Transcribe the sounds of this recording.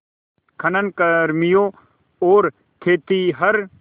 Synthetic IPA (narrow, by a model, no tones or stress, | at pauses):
kʰɐnənkɐɾmijoː | oːɾ | k̪ʰeːt̪iɦɐɾ